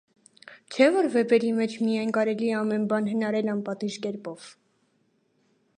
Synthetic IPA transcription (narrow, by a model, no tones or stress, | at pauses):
t͡ʃʰɛvɔɾvɛbɛɾimɛt͡ʃʰmijɑjnkɑɾɛliɛɑmɛnbɑnɦənɑɾɛlɑnpɑt̪iʒkɛɾpɔv̥